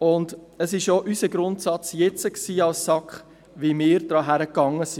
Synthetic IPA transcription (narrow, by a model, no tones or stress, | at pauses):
ʊndəsɪʃjoʔysəɡɾʊntsɑt͡sjɛt͡səksiːɑlsːɑkχ | ʋimɪːɾdɾɑːɦæɾəkːɑŋːəsi